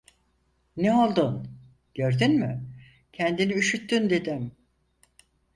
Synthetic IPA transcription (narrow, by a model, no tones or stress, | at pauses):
nɛo̞lˠd̪un | ɟ̥øɾd̪ynmy | cʰɛnd̪iniyʃyt̪ʰːynd̪e̞d̪im